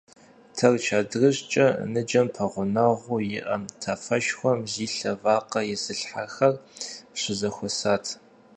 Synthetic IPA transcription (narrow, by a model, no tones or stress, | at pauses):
tʰɐrt͡ʃʰaːdrɨɕt͡ʃʼɐnɨd͡ʒɐmpʰɐʁʷʊnɐʁʷʊjɪʔɐmtʰafɐʃxʷɔmziːɬɐvaːqɐjɪsɨɬħaxɐrɕʷɪzɐxʷɔsaːtʰ